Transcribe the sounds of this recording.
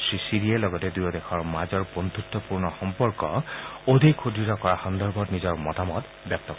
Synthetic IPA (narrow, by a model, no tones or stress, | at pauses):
sɹisiɹiɛlɔɡɔtɛdujɔdɛxʰɔɹmazɔɹbondʱutːɔpuɹnɔxɔmpɔɹkɔ̰odʱijkʰodɹitɔkɔɹaxɔndɔɹbʱɔtnizɔɹmɔtamɔt | bjɔp̚tɔk